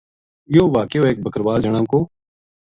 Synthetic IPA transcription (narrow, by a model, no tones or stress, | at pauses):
joːʋaːkejoːeːk̚bʱəkəɾʋaːld͡ʒəɽ̃ãːkoː